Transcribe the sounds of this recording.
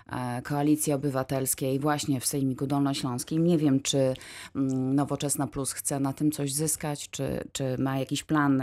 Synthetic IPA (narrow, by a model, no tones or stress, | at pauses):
kɔalʲit̪sʲjɛɔbɘvat̪ɛlskʲejvwaɕɲɛfsɛjmʲikud̪ɔlnɔɕlɔ̃w̃skʲimɲɛvʲjɛmt͡ʂɘ | nɔvɔt͡ʂɛsnaplusxt̪sɛnat̪ɘmt̪sɔʑzɘskat͡ɕt͡ʂɘ̰t͡ʂɘmajakʲiɕplan